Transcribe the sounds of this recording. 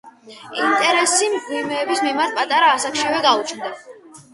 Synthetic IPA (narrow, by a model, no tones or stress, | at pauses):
int̪ʼɛɾɛsimɡimɛːbismimaɾt̪̚ʰpʼat̪ʼaɾaːsakʰʃivɛɡaut͡ʃʰnd̪a